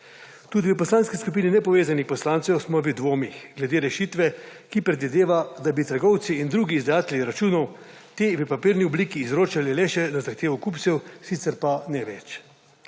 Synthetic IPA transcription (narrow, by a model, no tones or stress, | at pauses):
t̪uːd̪iʋəpɔslaːnskiskup̬iːninɛpɔʋeːzanixpɔslaːnt̪sɛwsmɔʋəd̪ʋoːmixɡlɛd̪eːɾɛʃiːt̪ʋɛkipɾɛd̪ʋid̪eːʋad̪abit̪əɾɡɔwt̪siːnd̪ɾuɡiːzd̪ajaːt̪ɛljiɾat͡ʃuːnɔw | t̪eːʋəpapiːɾniɔbliːkiːzɾoːt͡ʃalileʃɛnazaxt̪eːʋɔkuptsɛwsit̪sɛɾpanɛʋɛt͡ʃ